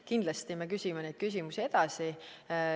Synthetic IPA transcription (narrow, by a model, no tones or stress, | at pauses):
kind̪̥lɑst̪imekysʲimenejd̪̥̚kys̬ʲimusie̞d̪̥ɑsi